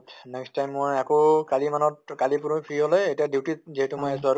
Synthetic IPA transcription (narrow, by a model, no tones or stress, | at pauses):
tnɛkstʰajmːojakokalimanɔt̚kalipuɹpʰiiɦɔlɛetiadiwtiziɦɛtʊmojɛsaɾ